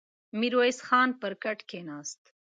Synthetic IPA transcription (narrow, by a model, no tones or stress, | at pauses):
miɾojsxɑːnpəɾkaʈkenɑːst̪